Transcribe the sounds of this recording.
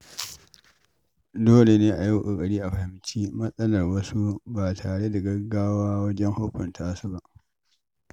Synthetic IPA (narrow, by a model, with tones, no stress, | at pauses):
doː˦le˨neː˦ʔa˨ja˦wʔo˨kʼɐ˨ɽiː˦ʔa˨ɸɐ˨hɪ˦mt͡ʃiː˦mɐ˦sʼɐ˦lɐ˨rwɐ˦su˦baː˨tʰaː˨ɽe˦da˨ɡɐ˦ɡaː˦waː˦wɐ˦d͡ʒɛ˦ŋhʊ˦ɸʊ˨ntʰaː˦su˦ba˦ʔ